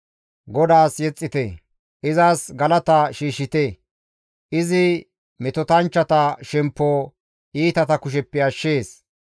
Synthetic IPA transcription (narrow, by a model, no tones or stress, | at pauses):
ɡɔd̪aːsjɛt͡sʼːɪt̪ɛ | ʔɪzaːsɡɐlɐt̪ɐʃiːʃɪt̪e | ʔɪzɪ | mɛt̪ɔt̪ɐnt͡ʃːɐt̪ɐʃɛmpːoː | ʔiːt̪ɐt̪ɐkʊʃ̬ɛpːɛɐʃːe̞ːs